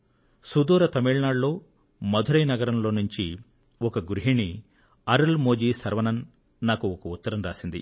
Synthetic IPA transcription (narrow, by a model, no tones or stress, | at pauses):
sud̪uːɾɐt̪ɐmiɭɳaːɖlo̞ː | mɐd̪ʱuɾɐjnɐɡɐɾɐmlo̞ːnuɲt͡ʃi | ɔkɐɡuɾuɦiɳi | ɐɾɐlmoːd͡ʒiːsɐɾʋɐnɐnː | aːkuɔkɐut̪ːɐɾɐmɾaːsind̪ḭ